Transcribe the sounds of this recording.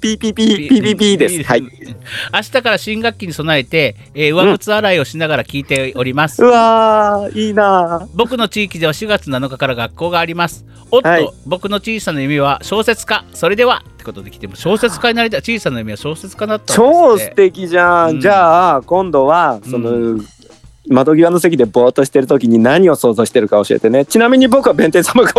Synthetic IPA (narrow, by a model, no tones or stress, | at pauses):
pʲipʲiːpʲiiːpipʲid̪ea | aɕi̥t̪akaɾaɕĩŋɡakʲːiɲ̟iso̞nae̞t̪e̞ː | ɯ̟βakɯ̟t͡sɨaɾaio̞ɕinaɡaɾakʲiːt̪e̞o̞ɾʲimasɨ̥a | iːnabo̞kɯ̟no̞t͡ɕiːkʲid̪e̞βaɕiɡat͡sɨnanokakaɾaɡakːo̞ːɡaːɾʲimasɨ̥ | o̞tːiobo̞kɯ̟no̞t͡ɕiːsanojɯmiβaɕo̞ːse̞t͡sɨ̥kaso̞ɾe̞d̪e̞βat̪ːe̞̥kot̪o̞d̪e̞kʲi̥t̪e̞mo̞ɕo̞ːse̞t͡sɨ̥kaɲinaɾit̪ait͡ɕiːsanojɯmʲiβaɕo̞ːse̞t͡sɨ̥kanat̪ːaoːɨ̥t̪e̞kʲiʑãd͡ʑaːkõ̞nd̪o̞βaso̞no | mad̪o̞ɡʲiβano̞s̬e̞kʲid̪e̞bo̞ːt̪o̞ɕi̥t̪e̞ɾɯ̟t̪o̞kʲiɲ̟inaɲ̟io̞so̞ːzo̞ːɕi̥t̪e̞ɾɯ̟kao̞ɕie̞̰t̪e̞net͡ɕinamʲiɲ̟ibo̞kɯβabẽ̞nt̪esamɯka